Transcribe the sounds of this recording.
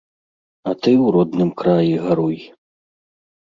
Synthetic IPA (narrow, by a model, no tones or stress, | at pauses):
ɐt̪ɨwɾɔd̪nɨmkɾajiɣaɾuj